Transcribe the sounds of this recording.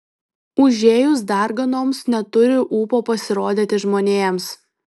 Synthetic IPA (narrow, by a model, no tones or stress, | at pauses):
ʊʒʲeːjʊs̬d̪ɑˑɾɡɐnoːmsnʲɛt̪ʊɾʲɪʔuːpoːpɐsʲɪɾoːd̪ʲet̪ʲɪʒmoːnʲeːɛms